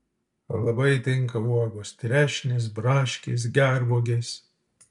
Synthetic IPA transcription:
lˠɐbɐɪt̪ʲɪŋˑkɐuɔɡoːst̪ʲɾʲæːʃʲnʲɪs̬bɾɑːʃʲkʲḛs̬ɡʲæɾboːɡʲes

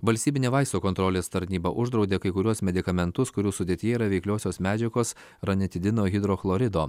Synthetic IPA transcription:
ʋɐlʲsʲtʲiːbʲɪnʲeːʋɐɪst̪oːkɔnt̪ɾɔːlʲeːst̪ɐɾʲnʲiːbɐʔʊʒd̪ɾɐʊd̪ʲeːkɐɪkʊɾʲuɔsmʲɛd̪ʲɪkɐmʲɛnt̪ʊskʊɾʲuːsʊd̪ʲiːt̪ʲɪjɛiːɾɐʋʲɛɪklʲoːsʲoːsmʲæːd͡ʒʲɛɡoːs | ɾɐnʲɪt̪ʲɪd̪ʲɪnoːɣʲɪd̪ɾoːxlˠoːɾʲɪd̪oː

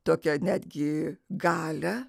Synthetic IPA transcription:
t̪oːkʲɛnʲæːd̪ʲɡʲɪɡɑːlʲɛ

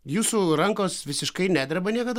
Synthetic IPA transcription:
juːsuːɾɐŋkoːsʋʲɪsʲɪʃkɐɪnʲæːd̪ʲɾʲɛbɐnʲiɛkɐd̪

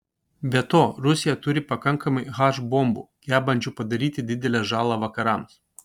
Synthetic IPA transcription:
bʲɛt̪oːɾʊsʲɪjɛt̪ʊɾʲɪpɐkɐŋkɐmɐɪɣɑːʒbombṵːjʲæːbɐnʲd͡ʒʲʊːpɐd̪ɐɾʲiːt̪ʲɪd̪ʲɪd̪ʲɛlʲɛʒɑːlˠɑʋɐkɐɾɐms

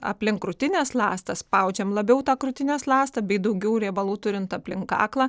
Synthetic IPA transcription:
ɐ̰pʲlʲɪŋkɾʊt̪ʲɪnʲɛːslˠɑ̰ːst̪ɐspɐʊd͡ʒʲɛmlˠɐbʲɛʊt̪ɑːkɾʊt̪ʲɪnʲɛslˠɑːst̪ɐbʲɛɪd̪ɐʊɡʲɛʊɾʲɛːbɐlˠuːt̪ʊɾʲɪnt̪ɐpʲlʲɪŋkɑ̰ːklˠɑː

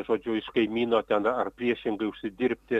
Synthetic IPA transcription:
ʒoːd͡ʒʲʊɪʃkɐɪmʲiːnoːt̪ʲɛnɐrpʲɾʲiɛʃʲɪŋɡɐɪʊʃʲsʲɪd̪ʲɪɾʲpʲt̪ʲɪ

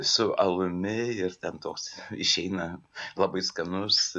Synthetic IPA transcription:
sʊʔɐlˠʊmʲɪɪɾt̪ʲɛnt̪oːksɪʃʲɛɪnɐlˠɐbɐɪskɐnʊs

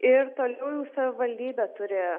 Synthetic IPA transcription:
ɪɾt̪oːlʲɛʊjuːsɐʋʲɪʋɐlʲd̪ʲiːbʲɛt̪ʊɾʲɪ

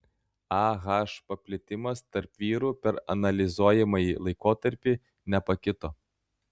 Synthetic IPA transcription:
ɑːɣɑˑʃpɐpʲlʲɪt̪ʲɪmɐst̪ɐɾpʋʲiːɾuːpʲɛɾɐ̰nɐlʲɪzuɔjɛmɐjilˠɐɪkoːt̪ɐɾʲpʲi | nʲɛpɐkʲɪt̪oː

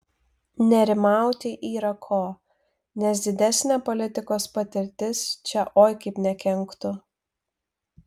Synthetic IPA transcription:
nʲɛɾʲɪmɑˑʊt̪ʲɪʔiːɾɐkʰoː | nʲɛsd̪ʲɪd̪ʲɛsʲnʲæːpɔlʲɪt̪ʲɪkoːspɐt̪ʲɪɾʲt̪ʲɪst͡ʃʲɛʔoːjkɐɪpnʲɛkʲɛŋˑkt̪ʊ

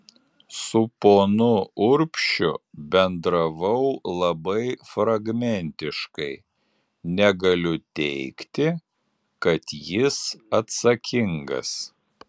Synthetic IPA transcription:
sʊpoːnʊʊɾʲpʲʃʲʊbʲɛnd̪ɾɐʋɐʊlˠɐbɐɪfɾɐɡmʲɛnʲt̪ʲɪʃkɐɪ | nʲɛɡɐlʲʊt̪ʲɛɪkt̪ʲɪ | kɐt̪jɪsɐt̪sɐkʲɪŋɡɐ̰s

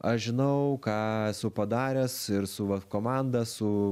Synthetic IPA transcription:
ɐʃʒʲɪnɐʊkɑːsʊpɐd̪ɑːɾʲɛsɪɾsʊʋɐkoːmɑnd̪ɐssʊ

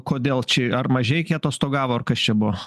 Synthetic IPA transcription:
koːd̪ʲeːlˠt͡ʃʲɛɐrmɐʒʲɛɪkʲiːt̪oːst̪oːɡɑːʋoːɐrkɐst͡ʃʲɛbʊʋo

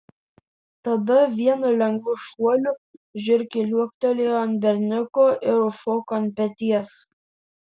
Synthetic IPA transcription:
t̪ɐd̪ɐʋʲiɛnʊlʲɛŋɡʋʊʃuɔlʲʊʒʲʊɾʲkʲɪlʲuɔkt̪olʲejɐnt̪bʲɛɾʲnʲʊkoːʔɪɾʊʃoːkonpʲɛt̪ʲiɛs

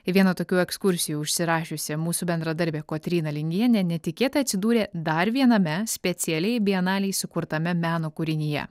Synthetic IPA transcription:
ɪʋʲiɛnɐt̪oːkʲuːɛkskʊɾʲsʲɪjuːʊʃʲsʲɪɾɑːʃʲʊsʲɛmuːsuːbʲɛnd̪ɾɐd̪ɐɾʲbʲeːkoːt̪ʲɾʲiːnɐlʲɪŋʲɡʲiɛnʲenʲɛt̪ʲɪkʲeːt̪ɐɐt̪ʲsʲɪd̪uːɾʲeːd̪ɐɾʋʲiɛnɐmʲɛsʲpʲɛt̪sʲɪɛlʲɛɪbʲɛɪɐnɑːlʲɪːjsʊkʊɾt̪ɐmʲɛmʲæːnoːkʊɾʲɪnʲɪjɛ̰

